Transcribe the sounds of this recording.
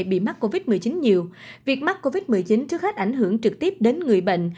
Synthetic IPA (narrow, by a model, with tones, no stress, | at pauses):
jɓḭ˧˨ma˦˥k̚ko˧vi˦˥t̚mɨ˨˩əjt͡ɕi˨˦nɲi˨˩əwvi˨˩ək̚ma˦˥k̚kːo˧vi˦˥t̚mɨ˨əjt͡ɕi˨˦nt͡ɕɨ˦˥ək̚xa˦˥k̟ʔa˧˩jŋ̟ɦɨ˧˩əŋt͡ɕɨ˨˩k̚t̪i˦˥əp̚ɗe˨˦nŋɨ˨˩əjɓə̰˧˨ŋ̟